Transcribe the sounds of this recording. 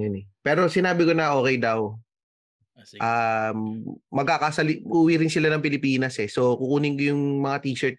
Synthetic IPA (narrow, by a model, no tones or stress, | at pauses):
jʊnɛpɛːɾo̞sɪnaːbɪko̞nɐʔo̞ːkɛjd̪ɐw | ʔamːɐɡ̚kakasɐlɪʔuːwiɾɪnsɪlanɐŋpɪlɪpiːnɐsɛso̞kukuːnɪŋkojʊŋmɐŋat̪iːʃɛɹt̪̚